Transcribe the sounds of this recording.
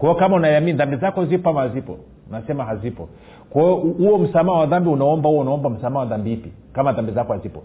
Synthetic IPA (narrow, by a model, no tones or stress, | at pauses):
kɔjɔkamaunajaminðambizakɔzipɔamahzipɔ̰ | nasɛmaɦazipɔ | kɔɔuwɔm̩samaawaðambiunaɔmbauwɔunaɔmbam̩samaːawaðambipi | kamanðambizakɔhazipɔ